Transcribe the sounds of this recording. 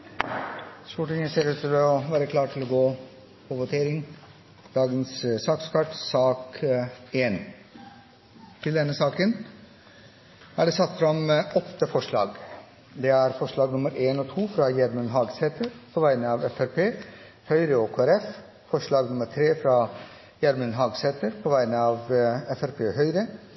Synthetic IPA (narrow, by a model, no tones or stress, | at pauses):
st̪uːʈɪŋənseːɾʉt̪ʰɪlɔʋæːɾəkʰlɑːʈʰɪlɔɡoː | pʰɔʋʊt̪ʰeːɾɪŋ | d̪̥ɑːɡənssɑːkskʰɑʈsɑːk | eːn | t̪ʰɪld̪ɛnːəsɑːkən | æɖɛsɑt̪ːfɾɑmɔt̪ːəfɔʂɭɑ̰ːɡ | d̪ɛæɾfɔʂɭɑːɡnʊməɾeːnɔːt̪ʰuːfɾɑːjæɾmənɦɑːɡsɛt̪əɾpʰɔʋæɪnəɑːʋɛfæɾpʰeː | hœʏɾəɔkʰoːæɾɛf | fɔʂɭɑːɡnʊməɾt̪ʰɾeːfɾɑː | jæɾmənɦɑːɡsɛt̪əɾpʰɔːʋæɪnəɑːʋɛfæɾpʰeːhœʏɾə